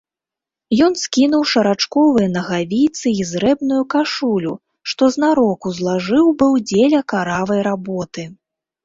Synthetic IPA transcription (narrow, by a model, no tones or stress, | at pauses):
jɔn̪skʲinuwʂɐɾat͡ʂkɔvɨjɐnɐɣavʲit̪sɨizɾɛbnujukaʂulʲu | ʂt̪ɔznaɾɔkuzlˠaʐɨwbɨwd͡zʲelʲɐkaɾavɐjɾabɔt̪ɨ